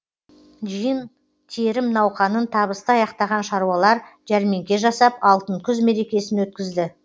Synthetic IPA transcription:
ʒijən | t̪ʰeɾɪmnɑwqɑnənt̪ʰɑβəst̪əɑjɑqt̪ɑʁɑnʃɑɾuwɑlˠɑɾʒæɾme̞ŋkʲe̞ʒɑsɑp̚ɑlˠt̪əŋkʲʰʏzme̞ɾe̞kʲe̞sɪnwɵt̪̚kʲɪzd̪ɪ

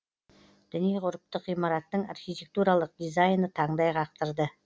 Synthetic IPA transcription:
d̪̥ʏnijqʰʊɾəp̚t̪əqːijmɑɾɑt̪ːəɴa̰rχʲijt̪ʲe̞k̚t̪uɾalˠəq̚d̪ijzajnət̪ʰɑɴd̪ɑjqʰɑq̚t̪əɾd̪ə

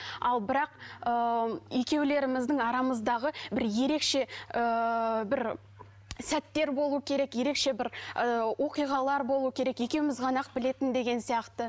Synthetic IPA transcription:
ɑlˠbɪɾɑqəje̞kʲe̞wle̞ɾɪmɪzd̪əɴɑɾɑməzd̪ɑʁəbɪɾje̞ɾe̞kʃe̞əbɪɾ | sæt̪ːe̞ɾbo̞lˠuwəkʲʰe̞ɾe̞kje̞ɾe̞kʃe̞bɪɾəwʔo̞qijʁɑlˠɑɾbo̞lˠuwəkʲʰe̞ɾe̞kje̞kʲe̞wɪmɪzʁʰɑnɑq̚bɪle̞t̪ɪnd̪e̞ɡʲe̞nsijɑqt̪ə

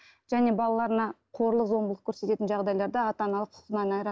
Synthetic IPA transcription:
ʒ̥æne̞bɑlˠɑlˠɑɾənɑqʰo̞ɾlˠəqzo̞mblˠəqkʲʰɵɾse̞t̪e̞t̪ɪnʒɑʁd̪ɑjlˠɑɾd̪ɑɑt̪ɑnɑlˠəqqʰːʊ̥q̪ənɑnɑjɾɑ

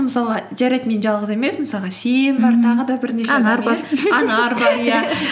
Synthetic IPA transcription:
məsɑlˠʁɑʒæɾɑjt̪me̞nʒɑlˠʁəze̞me̞sməsɑlˠʁɑsejmbɑɾt̪ʰɑʁəd̪ɑbɪɾneʃenɾɾɑnɑɾbɑɾjæ

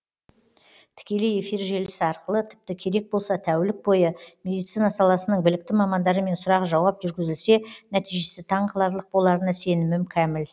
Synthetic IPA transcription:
t̪ʰɪ̥kʲe̞le̞je̞fijɾʒe̞lɪsɪɑɾqəlˠət̪ʰɪ̥p̚t̪ɪkʲʰe̞ɾe̞k̚bolˠsɑt̪ʰæwɪlɪk̚bo̞jəme̞d̪ijt̪sijnɑsɑlˠɑsənəɴbɪlɪk̚t̪ɪmɑmɑnd̪ɑɾəme̞nsʊɾɑʁəʒɑwɑpʒʏɾɡʲɪzɪlse̞næt̪ijʒe̞sɪt̪ʰɑɴqɑlˠɑɾlˠəq̚bo̞lˠɑɾənɑse̞nɪmɪmkʲʰæmɪl

